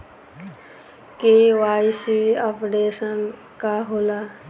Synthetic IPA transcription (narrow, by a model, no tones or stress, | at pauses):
keːʋaːisiapɖeːsən | kaɦoːlaː